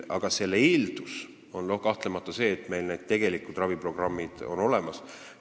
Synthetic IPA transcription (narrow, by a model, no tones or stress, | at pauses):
ʔɑɡ̥ɑse̞lːeild̪̥us | o̞nlohkɑht̪le̞mɑt̪ːˑɑse̞ːt̪ˑme̞jlned̪̥̚t̪e̞ɡ̥e̞likːud̪rɑvipro̞ɡ̥rɑmːid̪̥o̞̰no̞le̞mɑs